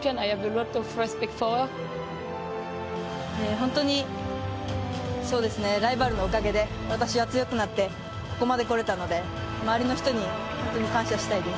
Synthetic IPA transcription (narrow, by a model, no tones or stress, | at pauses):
pãnajhavelɔtɔfɛspikfɔ | eːɦõnt̪o̞ɲ̟i | so̞ːd̪e̞sɨne̞ɾaibaɾɯ̟no̞okaɡe̞d̪e̞ | βat̪aɕiβat͡sɨjo̞kɯ̟nat̪ːe̞ | ko̞̥ko̞mad̪e̞ko̞ɾe̞t̪ano̞d̪e̞ | maaɾʲino̞çi̥t̪o̞ɲ̟ihõ̞nt̪o̞ɲ̟ikãɰ̃ɕaɕi̥t̪aid̪e̞s